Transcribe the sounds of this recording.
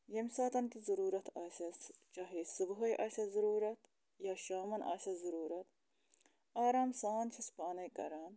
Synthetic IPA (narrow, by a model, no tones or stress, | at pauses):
jɐmsaːt̪ɐnk̪izɐɾuːɾɐt̪ʰɐːsɐst͡ʃɐɦesubɦɐjʔɐsʲɐzuɾuːɾɐt̪ | jaːʃaːmɐnʔa̰ːsɐzuɾuːɾɐt̪ | aːɾaːmsaːnt͡ʃʰispaːnɐjkɐ̰ɾaːn